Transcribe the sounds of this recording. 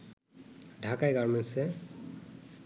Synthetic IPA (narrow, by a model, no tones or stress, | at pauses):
dʱakajɡaɹmɛnsɛ